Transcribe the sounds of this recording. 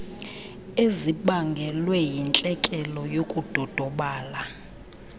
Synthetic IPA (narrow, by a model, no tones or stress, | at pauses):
eziɓaŋɡʱɛlwɛjint͡ɬʼɛkʼɛlɔjokʼud̥ʱɔd̥ʱɔɓaːla